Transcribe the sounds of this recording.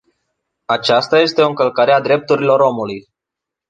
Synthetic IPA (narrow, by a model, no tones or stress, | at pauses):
at͡ʃast̪aje̞st̪eo̞ɨŋkəlkaɾead̪ɾe̞p̚t̪uɾilo̞ɾo̞muluj